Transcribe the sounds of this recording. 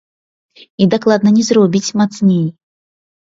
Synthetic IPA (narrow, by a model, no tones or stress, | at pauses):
id̪aklˠad̪nənʲɛzɾɔbʲit͡sʲmat̪snʲej